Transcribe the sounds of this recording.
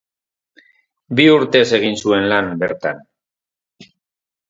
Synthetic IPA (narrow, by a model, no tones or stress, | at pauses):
biuɾt̪e̞se̞ɣ̞insue̞nlambe̞ɾt̪a̰n